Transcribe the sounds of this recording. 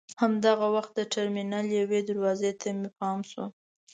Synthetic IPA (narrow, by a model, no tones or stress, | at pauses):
hamd̪aɣawaxt̪̚d̪əʈaɾminɑljawed̪aɾwɑzet̪ʰamepɑmsṵ